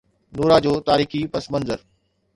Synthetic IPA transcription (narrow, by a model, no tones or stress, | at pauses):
nuːɾad͡ʑoːt̪aːɾiːxipɐsmə̃nzəɾ